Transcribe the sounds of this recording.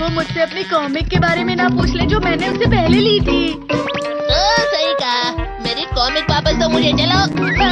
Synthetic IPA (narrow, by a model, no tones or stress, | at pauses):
ʋoːmʊd͡ʒʱseɐpnikɔːmɪkːebaːɾemẽnɐpuːt͡ʃʰled͡ʒoːmɛ̃ːneʊnsepɛɦliliːt̪ʰiː | toːsɐɦikameːɾikɔːmɪkʋaːpəst̪omʊd͡ʒʱet͡ʃɐloː